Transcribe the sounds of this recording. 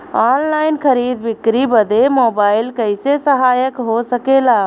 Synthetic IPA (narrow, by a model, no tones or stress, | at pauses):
aːnlaːɪnkʰəɾiːd̪bɪkɾibəd̪ʱemoːbaːɪlkəɪsesəɦaːjəkɦosəkelaː